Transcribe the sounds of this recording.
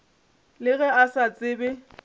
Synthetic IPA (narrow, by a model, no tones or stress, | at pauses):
lɪɣɛasat͡sʼɪːbɛ